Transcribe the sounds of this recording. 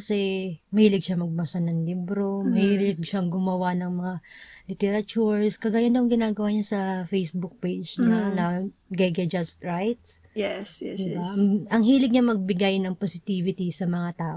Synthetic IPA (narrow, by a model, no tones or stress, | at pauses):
kɐsɛmɐhiːlɪɡ̚ʃamɐɡ̚mɐsɐnɐŋlibɾo̞mɐhilɪɡʃaŋɡʊmɐwanɐŋmɐŋalɪt̪ɛɾɐt͡ʃuɹskɐɡaːjand̪ɐwŋɡɪnaːɡɐwaɲɐsɐfejsbʊk̚pejd͡ʒɲanɐɡɛɡɐd͡ʒɐst̪ɹajt̪s | jɛsɛd̪ɪbaʔɐŋhiːlɪɡ̚ɲamɐɡ̚bɪɡajnɐŋposɪt̪iːvɪt̪isɐmɐŋat̪aːʔo